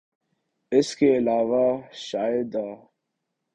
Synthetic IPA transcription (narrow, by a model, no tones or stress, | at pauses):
ɪskeɪlaːʋaʃaːjɪd̪aː